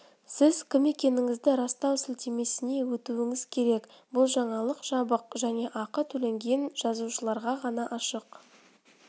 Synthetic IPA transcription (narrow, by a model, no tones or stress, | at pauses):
sɪzkʲʰɪme̞kʲe̞nɪŋɪzd̪ɪɾɑst̪ɑwsɪlt̪eme̞sɪne̞wɵt̪uɪŋɪzkʲʰe̞ɾe̞k | bʊlˠʒɑɴɑlˠəqʒ̥ɑbəqʒæne̞ʔɑqət̪ʰɵle̞ŋɡʲe̞nʒ̥ɑzuʃəlˠɑɾʁɑʁɑnɑʔɑʃəq